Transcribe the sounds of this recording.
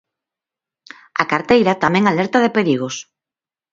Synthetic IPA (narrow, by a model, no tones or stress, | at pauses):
akaɾt̪ejɾat̪amɛ̃ŋalɛɾt̪aðepeɾiɣ̞os